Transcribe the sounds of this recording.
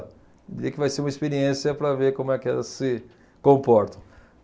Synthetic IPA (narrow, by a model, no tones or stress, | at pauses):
d̪iɾiɐkɪvajseɾũmɐispeɾiẽsɪjɐpɾɐveɾkõmʊɛkɪɛ̰lɐssɪ | kõpɔɾt̪ɐ̃